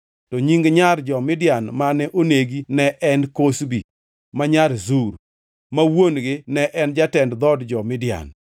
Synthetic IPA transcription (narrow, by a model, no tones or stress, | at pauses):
tɔɲiŋɡɲard͡ʒɔmɪdjanmanɛʔoneɡinɛʔɛnkosbi | maɲaɾzuɾ | mawonɡɪnɛʔɛnd͡ʒatɛndd̪ɔdd͡ʒɔmɪdɪja̰n